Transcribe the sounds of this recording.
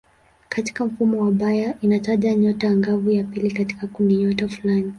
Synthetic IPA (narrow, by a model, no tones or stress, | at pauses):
kati̥kam̩fumɔwaɓajaʔinataʄaɲɔtaaŋɡavujapilikati̥kakundiɲɔtafulani